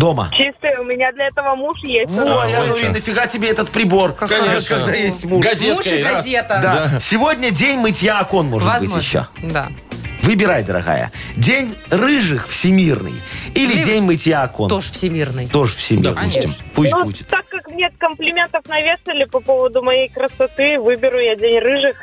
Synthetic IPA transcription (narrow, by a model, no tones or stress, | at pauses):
d̪o̞mə̰t͡ɕist̪əʊmʲɪnʲad̪lʲɐɛt̪əvəmuʂjesvojanovinəfʲɪɣatʲɪbʲeɛt̪ət̪̚pɾʲɪbo̞rakːɐɡd̪ajesʲtʲmuʂzet̪ʂɡɐzʲet̪əd̪dasʲɪvo̞dʲnʲədʲenʲmɨtʲjaɐko̞nmoʐɨtbɨtʲjɪ̰ɕːo̰d̪a̰ | vɨbʲɪɾajd̪əɾɐ̰ɣa̰jə̰ | dʲenʲrɨʐɨxfsʲɪmʲirnɨ̰jilʲɪdʲenʲmɨtʲjaɐko̰noʐfsʲɪmʲirnɨjt̪o̞ʐɨfsʲɪm̰ʲrmpusʲt̪ʲbbudʲɪt̪akːakmnʲet̪kəmplʲɪmʲe̞nt̪əfnɐvʲesəlʲɪpɐpovəd̪ʊmɐjejkɾəsɐt̪ɨvɨbʲɪɾʊjadʲenʲrɨʐɨx